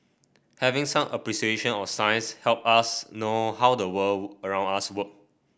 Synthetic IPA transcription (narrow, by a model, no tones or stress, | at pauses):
hɛvɪ̃ŋsãmʔəpɹiʃieʃə̃nɔfsãjnshɛlp̚asnohawdəwələɹãw̃naswək̚